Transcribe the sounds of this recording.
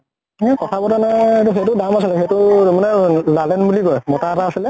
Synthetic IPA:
ɛkɔtʰabɔtanajetuxejtʊdamasilɛxejtʊmanɛlalɛnbuliɡɔjmɔtataːsilɛ

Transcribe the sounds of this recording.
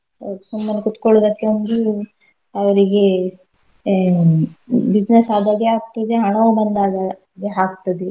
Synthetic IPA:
ɐsumːɐnːikut̪koɭod̪ɐkːeɐnd̪u | ɐʋɐɾiɡe | bid͡ʒnesaːd̪aːɡeɦaːk̚t̪ɐd̪eɦɐɳɐʋubɐnd̪aːɡa | ɡeɦaːk̚t̪ɐd̪e

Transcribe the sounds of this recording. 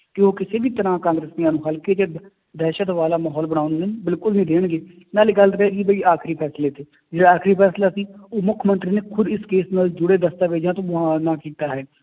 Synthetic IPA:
kɪoːkɪseːbiːt̪əɾãːkãːŋɡɾesniaːnũːɦəlkeːt͡ʃ | d̪ɛːʃət̪ʋaːlaːmaːɦɔːlbəɽ̃aːʊnd̪enbɪlkʊlnĩːd̪eːɳ̃ɡeː | naːleɡəlt̪ɾeːɡiːbəiːaːkʰɾiːpʰɛːsleːt̪ʰeː | d͡ʒeːɽaːaːkʰɾiːpʰɛːslaːsiːoːmʊkʰmənt̪ɾiːneːkʰʊd̪ɪskeːsnaːld͡ʒʊɽeːd̪əst̪aːʋeːd͡ʒãːt̪õːɦãːnaːkiːt̪aːɦɛː

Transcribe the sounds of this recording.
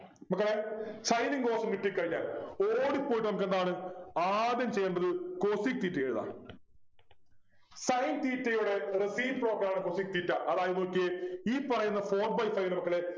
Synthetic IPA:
mɐkːɐɭe̞t͡ɕɐjniŋɡoːsɐnɡiʈːikːɐɻiɲːa̰ːloːɽipːoːjʈːnɐmukːend̪aːɳɨaːd̪jɐmt͡ɕe̞jːeɳɖɐðɨko̞ːsik̚t̪iːtːɐjeɻuða̰ː | sɐjnt̪iːtːɐjuɽe̞resiːmpro̞ːɡɾɐaːɳɨko̞ːsiːk̚t̪iːtːɐʔɐðaːjɐðokːeiːpɐrɐjunːɐfo̞ːr̚bɐjfɐjlɐmɐkːɐɭe

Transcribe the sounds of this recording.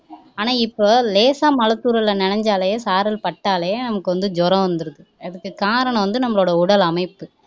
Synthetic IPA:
aːnaːɪpːoːleːsaːmɐlɐt̪ːuːɾɐlɐnɛnɐɲd͡ʒaːlɐjeːsaːɾɐlpɐʈːaːlɐjeːnɐmɐkːɯʋɐnd̪ɯd͡ʒɔɾɐ̃ʋɐnd̪ɯɾɐðɯɐðɯkːɯkaːɾɐɳɐ̃ʋɐnd̪ɯnɐmːɐɭoːɽɐʊɽɐlɐmɐɪpːɯ

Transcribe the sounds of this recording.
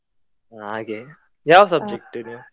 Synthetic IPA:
aɡe | jaːʋsɐb̚d͡ʒek̚ʈːeno

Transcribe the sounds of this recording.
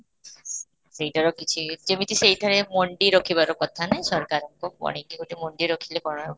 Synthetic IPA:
sejʈaɾɔkit͡ʃʰid͡ʒemit̪ʰisejʈʰaɾemɔɳɖiɾokʰiβaɾɔkɔt̪ʰanajsɔɾkaɾɛkɔpɔ̰ɽ̃ikiuʈimɔɳɖiɾokʰilekɔɾ

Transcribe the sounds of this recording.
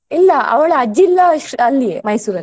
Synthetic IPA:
ilːɐɐ̰ʋɐɭɐɐd͡ʒilːɐʂɐlːijemɐjsuːɾɐlː

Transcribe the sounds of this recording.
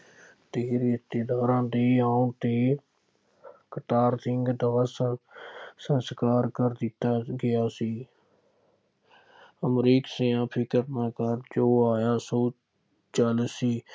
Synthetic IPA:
t̪eːɾɪst̪eːd̪aːɾãːd̪iːaːũːt̪eː | kət̪aːɾt̪ʰɪŋɡd̪əʋəs | sənskaːɾkəɾd̪ɪt̪ːaːɡɪjaːsiː | əmɾiːkseːãːpʰɪkəɾmãːkəɾd͡ʒoːaːjaːsoː | t͡ʃəlsiː

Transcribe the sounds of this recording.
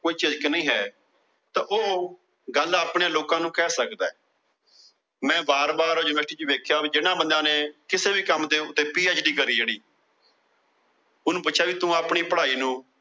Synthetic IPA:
koːiːt͡ʃɪzknəĩːɦɛː | t̪ãːʔoː | ɡəlːaaːpɳeãːloːkãːnũːkɛːsəkd̪aːɛː | mɛ̃ːbaːɾbaːɾoːd͡ʒɪnəsʈiːd͡ʒuːʋeːkʰjaːid͡ʒɪnãːbənd̪ãːneːkɪseːbiːkəmd̪eːʊt̪ːeːpiːeːd͡ʒɖiːkəɾiːd͡ʒeːɽiː | ʊnũːpʊtːʃʰjaːʋiːt̪ũːaːpɳiːpəɽaːiːnũː

